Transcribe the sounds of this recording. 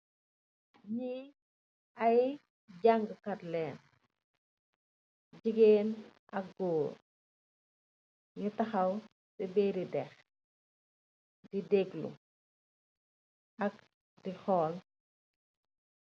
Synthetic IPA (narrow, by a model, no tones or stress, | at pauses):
ɲi | ɐj | ɟaŋɡkɐtlɛːn | ɟiɡɛːnʔɐk̚ɡɔːr | ɲutɐxɐw | sɛbɛːɾidɛx | didɛɡlṵ | ɐk̚ | dixɔːl